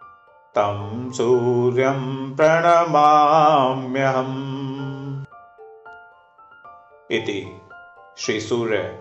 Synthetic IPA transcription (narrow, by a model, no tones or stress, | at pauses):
t̪ɐmsuːɾjɐmpɾɐɳɐmaːmjɐɦɐm | it̪ḭ | ʃɾisuːɾe